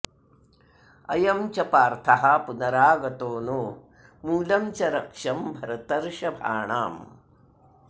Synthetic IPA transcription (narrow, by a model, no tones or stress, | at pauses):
ɐ̰jɐmt͡ʃɐpaːɾt̪ʰɐɦɐpunɐɾaːɡɐt̪oːnoː | muːlɐmt͡ʃɐɾɐkʂɐmbʱɐɾɐt̪ɐɾʃɐbʱa̰ːɳa̰ːm